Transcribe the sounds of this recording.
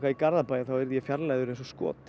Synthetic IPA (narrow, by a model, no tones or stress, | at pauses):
kaikaɾðapaːjɪθawɛɾðjɛfjaɾlajðʏɾejnsɔskɔ̰ːt̪